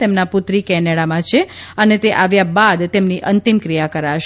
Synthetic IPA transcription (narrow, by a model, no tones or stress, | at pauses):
t̪emnaput̪ɾikɛnɛɽamãt͡ʃʰe | ənet̪eʔaʋjabad̪t̪emniʔənt̪imkɾijakəɾaʃ